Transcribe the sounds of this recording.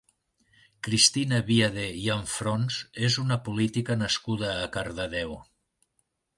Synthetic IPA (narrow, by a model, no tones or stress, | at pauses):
kɾist̪inəβiaðeiəɱfɾonzezunəpulit̪ikənəskuðəːkəɾðəðɛw